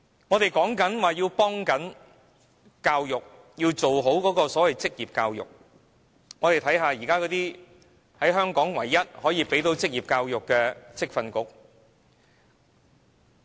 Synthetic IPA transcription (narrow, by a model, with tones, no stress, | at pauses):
ŋɔː˨˧t̪e˨jkɔː˨˥ŋkɐ˨˥nwaː˨jiː˧wpɔː˥ŋkɐ˨˥n | kaː˧wjʊ˨k̚ | jiː˧wt͡so˨wɦo˨˥wkɔː˨˥kɔː˧sɔː˨˥wɐ˨jt͡sɪ˥k̚jiː˨p̚kaː˧wjʊ̰˨k̚ | ŋɔː˨˧t̪e˨jt̪ʰɐ˨˥jɦaː˨˧jiː˨˩kaː˥kɔː˨˥t̪iː˥ | hɐ˨˥jɦœː˥ŋkɔː˨˥ŋwɐ˨˩jːɐ˥t̚hɔː˨˥jiː˨˧pe˨˥jt̪o˨˥wt͡sɪ˥k̚jiː˨˩p̚kaː˧wjʊ˨kːɛː˧t͡sɪ˥k̚fɐ˧nkʊ˥k̚